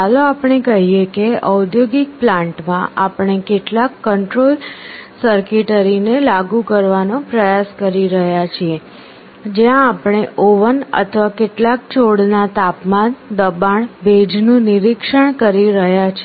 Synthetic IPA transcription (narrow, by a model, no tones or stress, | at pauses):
aloapɳ̃ekəɦiekeəd̪joɡik̚plãɳʈmãʔapɳ̃ekeʈlakːəɳʈɾolsəɾkiʈəɾinelaɡukəɾʋanopɾəjaskəɾiɾəɦjat͡ʃʰie | d͡ʒjãːpɽ̃eʔoʋənə̰t̪ʰəʋakeʈlak̚t͡ʃʰoɽnat̪apmand̪əbaɳbed͡ʒnũniɾikʂəɳ̃kəɾiɾəɦjat͡ʃʰ